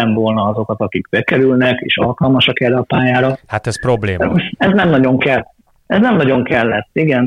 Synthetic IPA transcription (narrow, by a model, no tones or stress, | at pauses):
ɛɱvo̞lnɒɒzo̞kɒt̪ɒkikbɛkɛɾylnɛkḛːʃɒ̰lkɒlmɒʃɒkɛrːɛɒpaːjaːɾɒhat̪ɛspɾo̞bleːɛznɛmnɒɟo̞ŋkɛl | ɛznɛmnɒɟo̞ŋkɛlːɛt̪ːiɡɛn